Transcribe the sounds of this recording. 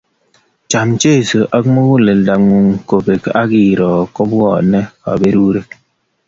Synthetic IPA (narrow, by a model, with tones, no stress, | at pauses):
t͡ʃa˨m̩˦t͡ʃe˦˨sə˨ʔa˦kmo˦ɡu˦le˨lda˨ŋu˨ŋ˨ko˨be˨ka˦ɡiː˨ɾɔ˨kɔ˦bɔ˦˨nɛ˦a̰˨be˦ɾu˦ɾe˦k̚